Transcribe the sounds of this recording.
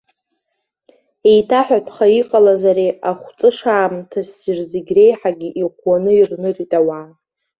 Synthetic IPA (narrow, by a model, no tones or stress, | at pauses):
ejtʰaħᶣatʷʰʼχaiqʼalazaɾeaχʷt͡sʼɨʂaːmtʰasirzeɡʲre̞jħaɡʲiʔiqʷwanɨirnɨritʼawaː